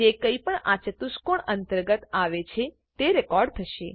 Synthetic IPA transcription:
d͡ʒekəipəɳat͡ʃət̪uskoɳənt̪əɾɡət̪aʋet͡ʃʰe | t̪eɾɛkɔɾɖt̪ʰəʃe

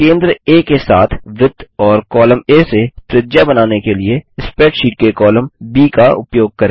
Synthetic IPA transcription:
kẽːnd̪ɾəeːkesa̰ːt̪ʰʋɪt̪ːɔːɾkɔːləmeːset̪ɾɪd͡ʒjabɐnaːnekelieɪspeːʈʃiːʈ̚kekɔːlə̃mbiːkaʊ̰pjoːɡ̚kɐɾẽː

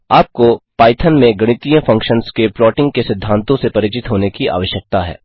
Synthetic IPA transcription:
aːp̚kopaːɪt̪ʰənmẽɡɐɽ̃ɪt̪ijə̃fʰɐ̃ŋkʃənskeplɔːʈɪ̃ŋɡ̚kesɪd̪ʱːãːnt̪õsepɐɾɪt͡ʃɪt̪ɦoːnekia̰ːʋəʃjək̚t̪aɦɛ̰ː

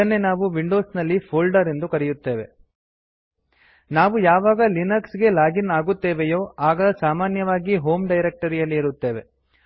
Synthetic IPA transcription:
ɐnːe̞naːʋuʋiɳɖo̞ːsnɐlːipʰoːlɖɐɾend̪ukɐɾɛjut̪ːe̞ːʋe̞ | naːʋujaːʋaːɡɐlinɐksɡe̞laːɡinaːɡut̪ːeːʋejo̞ːaːɡɐsaːmaːnjɐʋaːɡiɦo̞ːmɖɐjɾek̚ʈɐɾijɐlːiːɾut̪ːe̞ːʋe̞

